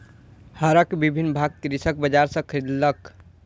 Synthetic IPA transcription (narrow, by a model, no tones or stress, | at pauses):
həɾəkbibʱinːbʱaɡ̚kɾisək̚bəd͡ʒaɾsə̃kʰɾid̪lək